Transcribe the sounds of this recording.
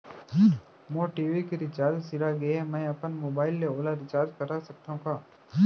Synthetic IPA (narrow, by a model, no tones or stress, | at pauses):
moːʈiːʋikeɾɪt͡ʃaːlsɪɾaɡeemɛ̃ːɐpənmoːbaːɪlːeoːlaɾɪt͡ʃaːɾd͡ʒkɐɾasɐk̚t̪aɦũkaː